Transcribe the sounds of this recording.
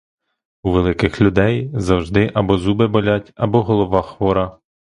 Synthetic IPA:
uʋelˠɪkɪxlʲud̪ɛjzɐwʒd̪ɪʔɐbɔzubɪbɔlʲatʲɐbɔɦɔlˠɔʋɑxʋɔɾɐ

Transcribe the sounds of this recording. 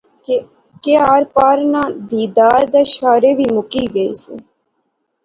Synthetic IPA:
keaːɾpaːɾnãːb̪iːd̪aːɾd̪eːʃaːɾeːʋiːmʊkiːɡəḭːsḛː

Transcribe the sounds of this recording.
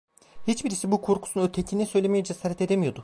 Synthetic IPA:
hit͡ʃbiɾisibukʰo̞ɾkʰu̥sunøt̪ʰecʰinisø̞jlʲemijɛd͡ʒesaːɾɛt̪ʰe̞d̪emijo̞d̪ʊ

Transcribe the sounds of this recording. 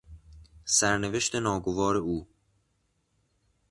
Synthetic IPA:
sæɾneve̞ʃt̪ʰe̞nɒːɡovɒːɾe̞uː

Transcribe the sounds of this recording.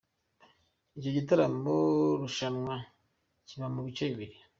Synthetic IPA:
ico̞ɟitaɾamoɾuʃanwa | ciβamuβit͡ʃeβiβiɾi

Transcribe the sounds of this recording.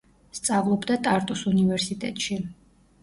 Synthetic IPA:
st̪sʼavlˠɔbd̪at̪ʼaɾt̪ʼusunivɛɾsit̪ʼɛ̰t̪ʼʃi

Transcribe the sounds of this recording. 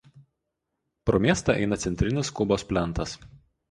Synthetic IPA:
pɾomʲiɛst̪ɑˑʔɛ̰ɪnɐt̪sʲɛnʲt̪ʲɾʲɪnʲɪskʊboːspʲlʲɛnˑt̪ɐs

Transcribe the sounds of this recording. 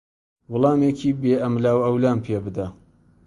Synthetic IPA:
wʊlˠɑːmeːkʰiːbeːɐmlaːwɐwlaːnpʰebɨd̪a

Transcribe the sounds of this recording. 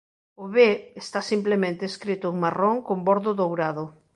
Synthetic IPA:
ʊβeest̪asimplemẽnt̪eskɾit̪ʊeŋmaroŋkombɔɾðʊðowɾaðʊ

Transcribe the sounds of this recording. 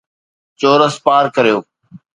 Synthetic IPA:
t͡ɕoːɾəspaːɾkəɾijoː

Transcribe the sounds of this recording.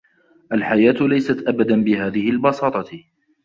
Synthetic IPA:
ʔalħajaːt̪lajsat̪ʔabad̪anbɪɦaːðɪhɪlbɑsɑːt̪ˤɑ

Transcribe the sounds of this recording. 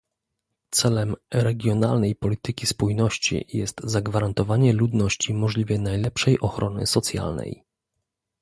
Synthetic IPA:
t̪sɛlɛmɾɛɡʲjɔnalnɛjpɔlʲit̪ɘkʲispujnɔɕt͡ɕḭjɛst̪zaɡvaɾant̪ɔvaɲɛlud̪nɔɕt͡ɕimɔʐlʲivʲjɛnajlɛpʂɛjʔɔxɾɔnɘ̰sɔt̪sʲja̰lnɛ̰j

